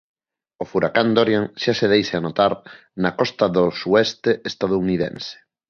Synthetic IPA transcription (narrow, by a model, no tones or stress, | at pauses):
ofuɾakand̪oɾjaŋʃaseð̞ejseanot̪aɾ | nakɔst̪aðosuɛst̪eʔest̪að̞ouniðḛnse̥